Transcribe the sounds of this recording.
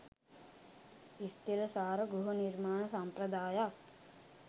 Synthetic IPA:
ist̪iɾɐsaːɾɐɡɾuɦɐniɾmaːɳɐsampɾɐd̪aːja

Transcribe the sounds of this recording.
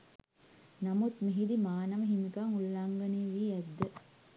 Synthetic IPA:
namut̪miɦid̪imaːnɐʋəɦimikaŋulːaŋɡɐniːʋiːɛd̪ːə

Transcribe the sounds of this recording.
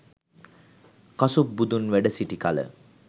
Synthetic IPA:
kasup̚bud̪unʋæɖəsiʈikalə̰

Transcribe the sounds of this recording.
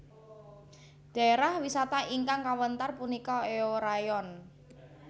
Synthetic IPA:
ɖ̥a̤eɾahwisat̪aʔiŋkaŋkawənt̪arpunikɔeoɾajɔn

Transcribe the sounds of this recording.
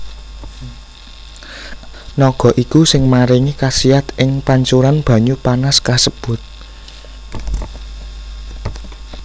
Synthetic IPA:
nɔɡ̥ɔ̤ʔikusɪŋmaɾiŋikasiat̪ʔɪŋpaɲt͡ʃuɾanb̥ä̤ɲupanaskasəb̥ʊ̤t̪̚

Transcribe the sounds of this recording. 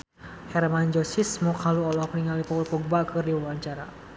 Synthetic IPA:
hɛrmand͡ʒɔsismɔkhaluɔlɔhpəniŋalipɔlpɔɡ̚bakɨrdiwawaɲt͡ʃaɾa̰

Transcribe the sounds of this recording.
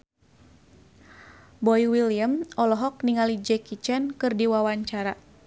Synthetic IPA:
bɔiwiliəmɔlɔɦɔk̚niŋalid͡ʒɛkit͡ʃɛnkɨrdiwawaɲt͡ʃaɾa

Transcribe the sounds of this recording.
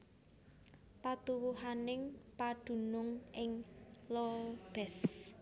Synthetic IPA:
pat̪uwuɦanɪŋpad̥ṳnʊŋʔɪŋlɔb̥ɛs

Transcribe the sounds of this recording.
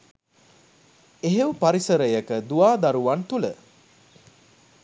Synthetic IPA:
eɦewupaɾisəɾəjəkəd̪uʋaːd̪aɾuʋant̪ulə

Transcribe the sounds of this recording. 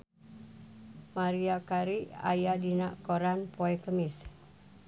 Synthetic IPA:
maɾiakaɾia̰jadinaʔkoɾanpoɛkəmɪs

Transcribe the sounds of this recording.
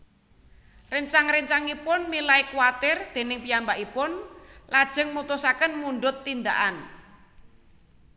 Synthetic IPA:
rəɲt͡ʃaŋɾəɲt͡ʃaŋipʊnmilaikuwat̪ɪrd̪̥e̤nɪŋpijambaʔipʊnlad̥ʒ̥ə̤ŋmut̪ʊsakənmuɳɖʊt̪ːind̪aʔan

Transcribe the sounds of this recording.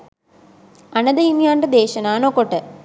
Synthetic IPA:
ɐnɐd̪ɐjimjaːnrɐd̪eːʃɐnaːnõːkoʈːɐ

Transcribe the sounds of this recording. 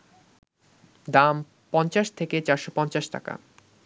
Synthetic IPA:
d̪am | pɔnt͡ɕaʃt̪ʰeket͡ɕaɾʃopɔnt͡ɕaʃʈa̰ka̰

